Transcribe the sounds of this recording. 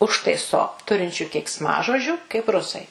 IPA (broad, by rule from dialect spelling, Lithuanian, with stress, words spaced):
ˈʊʃtɐɪsoː ˈtʊrʲɪnʲt͡ʃʲʊ kʲɛɪksˈmɑːʒoːd͡ʒʲuː kɐɪp ˈrʊsɐɪ